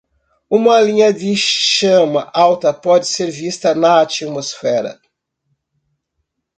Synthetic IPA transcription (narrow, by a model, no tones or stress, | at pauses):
ũmɐlĩɲɐd̪ɪʃɐ̃mɐʔawt̪ɐpɔd͡ʒɪseɾvist̪ɐnɐat͡ʃimosfɛɾɐ̰